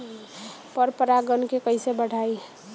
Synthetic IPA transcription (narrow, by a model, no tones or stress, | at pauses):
pəɾpəɾaɡənkekəɪsebəɽ̤ʱai